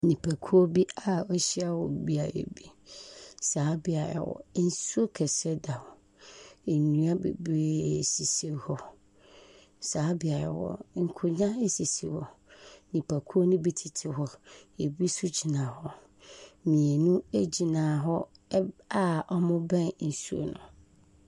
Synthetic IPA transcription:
nĩ˨pʰa˨kʰu˦o˦bi˦a˦ɔ˦ɕi˦a˦wɔ˨bi˦a˨ɾḛ˨bi˦ | saː˨˦bɪ˨a˨ɾa̰˨wɔ̰˨n̩˦su˦o˦kʰɛ˨sɛ˦da˨wɔ˨ | e˨nũ˦a˦bḛ˨be˦˨si˨se˨ɾhɔ˦ | saː˨˦bɪ˨a˨ɾa̰˨wɔ̰˦ŋ̩˨kʰʊ˨ɲã˦e˦si˨sḛ˨hɔ˨ | nĩ˨pʰa˨kʰu˦o˦nʊ̃˦bi˦tʰɪ˨tʰɪ˨ɦɔ˦e˨bi˦su˦d͡ʑi˨nã˨hɔ˦ | mĩ˨e˨nũ˦e˦d͡ʑi˨nãː˨ɦɔ˦ | a˦ɔ˦mʊ̃˦bɛ̃˦nn̩˨su˦o̰˦nʊ̰̃˨

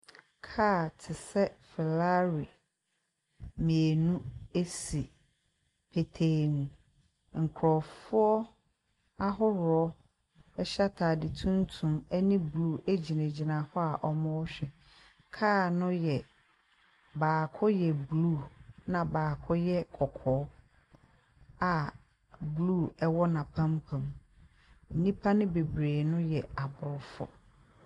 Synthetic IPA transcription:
kʰaː˦˨tʰɪ˨sɛ˦fɛ˨la˦ɾi˨ | mĩ˨e˨nũ˦e˦si˨ | pʰe˨tʰe˨ñ˨ | ŋ̩˨kʰɾɔ˨fʊ˦ɔ˦ | a˦ɦʊ˦ɾɔ˦ | ɛ˦ɕa˦tʰaː˨dɪ˨tʰũ˦n˦tʰũ˨mæ˦nĩ˦blu˦˨e˦d͡ʑi˨nẽ˨d͡ʑi˨nã˨hɔ˦a˨ʔɔ˨mɔ̃˦ɔ˦ɕᶣɛ˨ | kʰaː˦˨nʊ̃˦jɛ˨ | baː˨kʰɔ˦jɛ˨bluː˦˨nã˨baː˨kʰɔ˦jɛ˦kʰɔ˨kʰɔː˨˦ | a˨ | bluː˦˨ɛ˦wɔ˦nã˨pʰã˦mpʰã˨m | n̩˨nĩ˦pʰa˦nɪ̃˦be˨bɾeː˨nʊ̃˦jɛ˨a˨bʊ˨ɾʊ˨fɔ̰˨

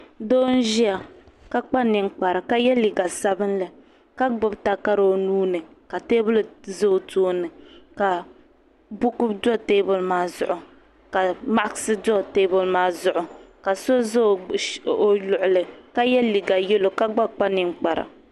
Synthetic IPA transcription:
do˦n̩˦ʒi˦a˨ | ka˦k͡pa˦nɨ˨ŋ˦k͡pa˨ɾa˨ka˦jɛ˦li˨ɡa˨sa˦bɨ˦nlɨ˨ | ka˦ɡ͡bʊ˦bta˨ka˦ɾo˨o˦nuː˦nɨ˨ | ka˨teː˦bʊ˦lzo˦˨toː˦nɨ˨ka˨ | bʊ˦kʊ˦dɔ˦teː˦bʊ˨lmaː˦zʊ˦ʔʊ˨ | ka˨ma˦ʔa˦ksɨ˦dɔ˦teː˦bʊ˨lmaː˦zʊ˦ʔʊ˨ | ka˨so˦zo˦lʊ˨ʔʊ˨lɨ˨ka˦jɛ˦li˨ɡa˨jɛ˦lo˨ka˦ɡ͡ba˦k͡pa˦nɪ˨ŋ˦k͡pa˨ɾa̰˨

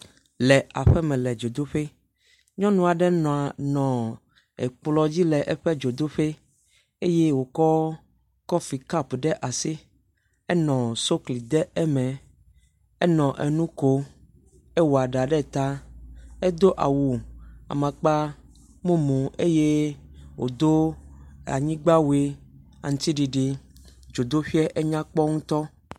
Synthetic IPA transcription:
lɛ˨a˨ɸɛ˦mɛ̃˨lɛ˨d͡ʒo˨d̪o˦ɸe˦ | ɲɔ̃˦nũ˦a˨ɖɛ˦nɔ̃˨a˨nɔ̃˨ | ɛ˨k͡plɔ˦d͡ʑi˦lɛ˨ʔɛ˦ɸɛ˦d͡ʒo˨d̪o˦ɸe˦ | e˦je˦wo˨kɔ˦ | kɔ˦fi˨ka˦pɖɛ˦ʔa˨si˦ | ɛ˦nɔ̃˨so˦kli˨d̪ɛ˦ɛ˦mɛ̃˨ | e˦nɔ̃˨ʔɛ˨nũ˦ko˦ | e˦wo˨a˨ɖa˨ɖɛ˦t̪a˦e˦d̪o˦ʔa̰˨wu˨a̰˨mã˨k͡pa˦ | mũ˦mũ˨e˦je˦wo̰˨d̪o˦a̰˨ɲĩ˦ɡ͡ba˦we˦ | a̰˨ŋũ˨t̪i˦ɖi˨ɖe˨d͡ʒo˨d̪o˦ɸi˦ɛ˦ʔe˦ɲã˦k͡pɔ˦ŋũ˦t̪ɔ˦

